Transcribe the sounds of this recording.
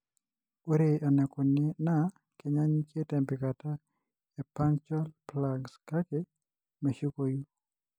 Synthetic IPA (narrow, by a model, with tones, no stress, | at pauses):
o˦ɾe˨a˨nɛ˨ko˨ne˦na˦ | ke˨ɲa˦ɲke˦tɛ˨mbɪ˨ka˨ta˦ | e˨pa˦ŋt͡ʃɔ˦lpla˨ɡska˦ke˦ | me˨ʃu˦ko˦ju˦